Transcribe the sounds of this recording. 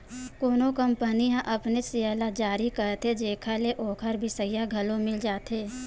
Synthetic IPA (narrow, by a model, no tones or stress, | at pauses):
koːnokəmpənijãʔɐpnesɪaːlad͡ʒaːɾikəɾt̪ed͡ʒeːkʰaleʔoːkʰəɾbʱisəjaɡʱɐlõmɪld͡ʒaːt̪eː